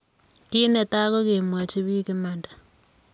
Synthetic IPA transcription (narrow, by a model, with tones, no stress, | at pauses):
tiː˦nɛ˨ta˦kɔ˦ke˨mwa˨t͡ʃi˦βi˦ki˦mandḁ˨